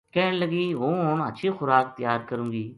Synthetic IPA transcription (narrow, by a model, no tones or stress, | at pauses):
kɛɦnləɡiːʋõːɦoːnə̰tːʃʰiːxʊɾaːk̚t̪ɪjaːɾkəɾũːɡiː